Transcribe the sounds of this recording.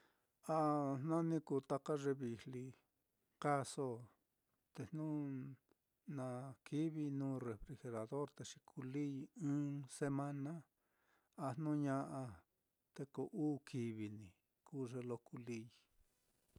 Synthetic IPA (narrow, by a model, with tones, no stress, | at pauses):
a˧˨nnã˦nĩ˧ku˧˨t̪a˧ka˦ʐe˧βi˨li˧ | ka˦so˦ | t̪e˧n̥nũ˦ | nã˨kʰi˦βi˧nũː˦re˨fɾi˧xe˧ɾa˨ðo˦ɾt̪e˧ʂi̥˧kʰu˧li˦˧ɨ̃ː˦se˧˦mã˦nã˦ | a˧n̥nũ˦ɲã˧ʔa˧ | t̪e˧ko˧ʔuː˦kʰi˧βi˧nĩ˨ | ku˦ʐe˧lo˧ku˧li˧˦˧